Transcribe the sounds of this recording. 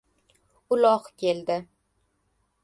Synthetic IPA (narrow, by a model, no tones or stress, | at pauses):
ʊlɒqkʲʰe̞ld̪ɪ